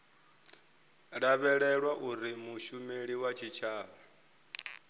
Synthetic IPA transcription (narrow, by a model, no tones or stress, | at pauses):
ɺaβɛɺɛɺwaʔuɾimuʃumeɺiwat͡ʃʰit͡ʃʰaːβa